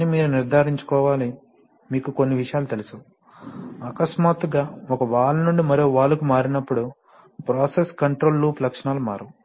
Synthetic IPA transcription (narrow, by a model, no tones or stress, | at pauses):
imiːɾuniɾd̪ʱaːɾiɲt͡ʃu̥kɔːʋaːli | miːkuko̞nːiʋiʂɐjaːlut̪elusu | ɐkɐsmaːt̪uɡaːɔkɐʋaːɭːɐnuɳɖimɐɾio̞ːʋaːɭːɐkumaːɾinɐpːuɽu | pɾaːseskɐɳʈɾo̞ːlːuːplɐkʂɐɳaːluma̰ːɾu